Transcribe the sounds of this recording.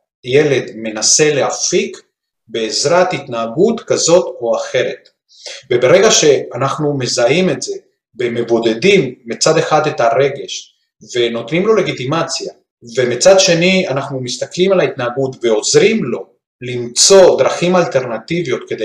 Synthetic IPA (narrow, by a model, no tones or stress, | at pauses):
jeled̪me̞nase̞leɦafik | be̞ːzɾat̪it̪naːɡut̪kazo̞t̪oaχe̞ɾet̪ | vebeɾeɡaʃeanaχnume̞zaimet̪z̥e | beme̞bo̞d̪e̞d̪imːit͡sad̪e̞χad̪et̪aɾe̞ɡe̞ʃ | veno̞t̪nimlo̞le̞ɡit̪imat͡sija | vemit͡sad̪ʃe̞nianaχnumist̪aklimalait̪naːɡut̪veo̞zɾimlo̞ | limt͡so̞d̪ɾaχimalt̪e̞ɾnat̪ivijo̞t̪ked̪e